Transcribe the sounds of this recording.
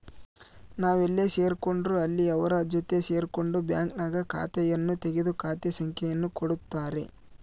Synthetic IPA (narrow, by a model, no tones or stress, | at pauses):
naːʋelːese̞ːɾko̞ɳɖɾuɐlːiɐʋɐɾɐd͡ʒot̪e̞se̞ːɾko̞ɳɖubja̰ːŋknaːɡɐkʰa̰ːt̪ɛjɐnːut̪e̞ɡed̪ukaːt̪esɐŋkʰɛjɐnːukoɽut̪ːaːɾe̞̰